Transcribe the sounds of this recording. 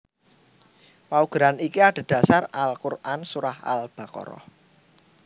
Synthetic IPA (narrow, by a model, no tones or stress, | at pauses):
wauɡ̥ɾanikiaɖ̥a̤d̥ä̤saralkurʔansuɾaha̰lb̥a̤kɔ̰ɾɔ̰h